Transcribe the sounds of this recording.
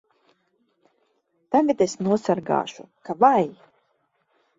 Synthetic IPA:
t̪aɡat̪esnuɔsaɾɡa̰ːʃṵkavaj

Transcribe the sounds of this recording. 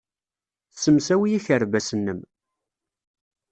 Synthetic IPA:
səmsæwijiçəɾvæsənːəm

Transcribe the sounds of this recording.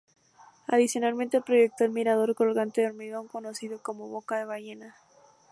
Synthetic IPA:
aðisjo̞nalment̪epɾo̞ʝek̚t̪o̞elmiɾaðo̞ɾko̞lɣant̪e̞ðeo̞ɾmiɣo̞ŋko̞no̞siðo̞ko̞mo̞βo̞kaðe̞β̞aʝe̞na

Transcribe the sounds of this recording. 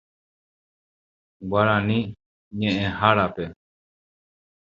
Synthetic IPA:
ɡʷaɾãnĩ | ɲẽʔẽhaɾape

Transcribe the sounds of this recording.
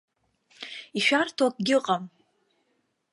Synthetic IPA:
iʃᶣartʰok̚ʼɡʲɪqʼam

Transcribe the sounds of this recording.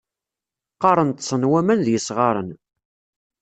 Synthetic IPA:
qɑɾˤənt̪sˤənwæmænðjəsʁɑɾˤən

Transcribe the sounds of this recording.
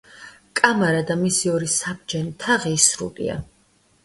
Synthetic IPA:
kʼamaɾad̪amisiɔɾisabd͡ʒɛnit̪ʰaʁiːsɾṵlḭa̰

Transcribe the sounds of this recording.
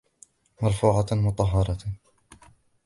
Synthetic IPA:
mɑɾˤfuːʕamʊt̪ˤɑɦːɑɾˤɑ

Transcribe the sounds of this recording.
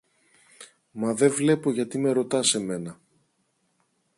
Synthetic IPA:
mɐðe̞vle̞po̞ʝɐt̪ime̞ɾo̞t̪ɐse̞me̞nɐ

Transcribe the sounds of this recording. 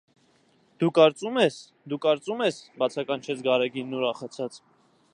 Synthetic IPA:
d̪̥ukɑɾt͡sumɛs | d̪ukɑɾt͡sumɛsbɑt͡sʰɑkɑnt͡ʃʰɛt͡sʰɡɑɾɛɡinːuɾɑχɑt͡sʰɑt͡s

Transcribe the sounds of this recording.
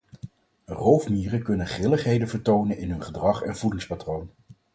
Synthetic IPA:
rowfmiːrəkɵnənχɪləχɦejdənvəɹtownənɪnɦɵnχədrɑχɛnv̥udɪŋspatrown

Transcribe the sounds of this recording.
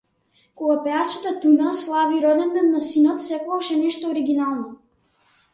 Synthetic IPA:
koɡapɛat͡ʃat̪at̪unaslˠaviɾɔd̪ɛnd̪ɛnːasinɔt̪sɛkɔɡɔʃɛnɛʃt̪ooɾiɡʲinalˠnɔ

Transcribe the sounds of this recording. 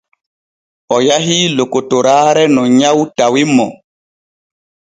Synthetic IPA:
ɔjaɦilokotoɾaːɾɛnɔɲawtawimɔ

